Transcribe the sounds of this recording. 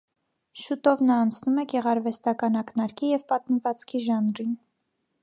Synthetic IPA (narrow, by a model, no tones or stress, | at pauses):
ʃut̪ɔvnɑːnt͡sʰnumɛɡɛʁɑɾvɛst̪ɑkɑnɑknɑɾkʰijɛvpɑt̪̚məvɑt͡skʰiʒɑnɾin